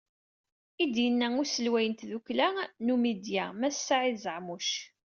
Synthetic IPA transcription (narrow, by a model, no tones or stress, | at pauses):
id̪jənːæʊɾsəlwæjənt̪ðuklænumid̪jæmæsːaʕizəʕmuʃ